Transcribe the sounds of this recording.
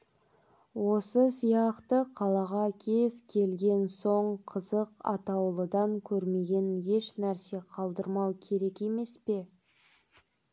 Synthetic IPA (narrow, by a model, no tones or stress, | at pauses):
wo̞səsijɑqt̪əqʰɑlˠɑʁɑkʲʰe̞zkʲʰe̞lɡʲe̞nso̞ɴqʰəzəqɑ̰t̪ɑwlˠəd̪ɑŋkʲʰɵɾme̞ɡʲe̞nje̞ʃnæɾse̞qʰɑlˠd̪əɾmɑwkʲʰe̞ɾe̞ke̞me̞spe̞